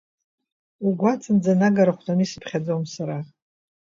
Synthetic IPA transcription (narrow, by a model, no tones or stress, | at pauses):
uɡʷat͡sʰʼɨnd͡zanaɡaɾaχʷtamisɨ̥pʰχʲad͡zowmsaɾa